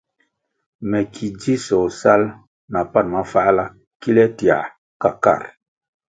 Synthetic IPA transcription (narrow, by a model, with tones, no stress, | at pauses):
mɛ˨kʰi˨d͡ʒi˦sɔ˨sa˦l | na˨pa˦˨nma˨˦fa˦la˦ | ki˦lɛ˦ti˨a̰˨ | ka˨ka̰˦˨ɾ